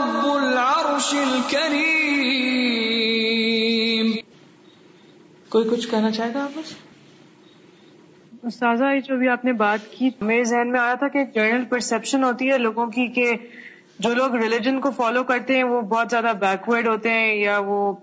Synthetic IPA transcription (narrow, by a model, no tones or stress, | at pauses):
bʊlaɾʊʃilkɐɾiː | m | koːikʊt͡ʃʰkɛɦnat͡ʃaːɦeːɡaːpɐt͡ʃ | ʊst̪aːzaid͡ʒoːbʱiaːpnebaːt̪kimezɛɦnmẽaːjat̪ʰakeːk̚d͡ʒɐɾnəlpɐɾsɛpʃənɦoːt̪iɦɛloːɡõkike | d͡ʒoːloːɡɾɪlɪd͡ʒənkofɔːlokɐɾt̪eɦɛ̃ʋobɔːt̪zjaːd̪abɛːkʋəɾɖɦoːt̪eɦɛ̃jaʋoː